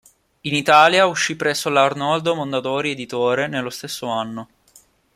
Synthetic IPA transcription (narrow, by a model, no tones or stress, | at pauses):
init̪aːljauʃːipːɾɛsːolarnɔld̪omond̪at̪oːɾied̪it̪oːɾenelːost̪esːoanːo